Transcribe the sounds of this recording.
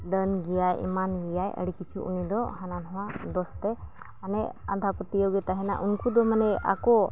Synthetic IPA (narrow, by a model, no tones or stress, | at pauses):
ɖənɡijajḭmanɡijajə̰ɽikit͡ʃʰuʔṵnid̪ɔhananɦɔ̃wad̪ɔst̪ɛ | anɛand̪ʰapət̪ijəwɡɛt̪aɦɛna̰ʔunkud̪ɔmanɛa̰kɔ